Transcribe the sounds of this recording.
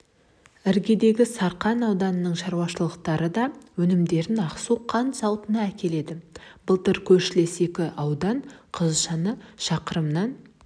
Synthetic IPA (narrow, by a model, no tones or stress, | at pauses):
ɪɾɡʲe̞d̪e̞ɡʲɪsɑɾqɑnɑwd̪ɑnənəɴʃɑɾwɑʃəlˠəqt̪ɑɾəd̪ɑwɵnɪmd̪e̞ɾɪnɑqsuqʰɑnt̪sɑlˠt̪ənɑækʲe̞le̞d̪ɪb̥əlˠt̪əɾkʲʰɵɾʃɪle̞se̞kʲɪʔɑwd̪ɑɴqʰəzʒɑnəʃɑqəɾəmnɑn